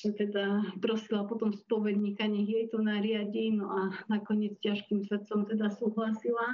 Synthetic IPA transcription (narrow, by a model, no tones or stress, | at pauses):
ʒɛt̪ɛd̪apɾɔsilapɔt̪ɔmspɔʋɛd̪ɲikaɲɛɣjɛjt̪ɔnaɾɪaɟinɔʔanakɔɲɪɛd͡zcaʃkimsʋɛt̪sɔmt̪ɛd̪asuːɦlasila